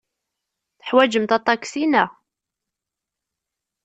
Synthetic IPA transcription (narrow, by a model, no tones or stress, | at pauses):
θəħwæd͡ʒəmt̪ɑt̪ˤːɑksinæ